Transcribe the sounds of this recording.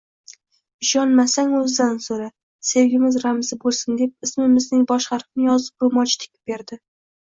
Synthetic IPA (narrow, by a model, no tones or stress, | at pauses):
ɪʃɒnmasaŋɵzd̪ansoɾa | se̞wɡʲɪmɪzɾamzɪbolˠsɪnd̪ep̚ɪsmɪmɪznɪŋbɒʃχɑɾqnɪjɒzɪp̚bʊmɒt͡ʃt̪ʰɪ̥k̚ʲɪ̥p̚beɾd̪ɪ